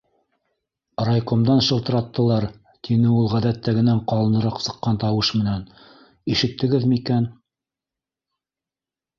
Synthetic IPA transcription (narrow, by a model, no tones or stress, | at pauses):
rɑjqomd̪ɑnʃɤ̆lˠt̪ɤ̆ɾɑt̪ːɤ̆lˠɑɾ | t̪ʰinɘulˠʁæðæt̪ːæɡɘ̆næɴqɑlˠɤ̆nɤ̆ɾɑqsɤ̆qːɑnt̪ɑwɤʃmɘ̆næn | iʃɘ̆t̪ːɘ̆ɡɘðmɘikæn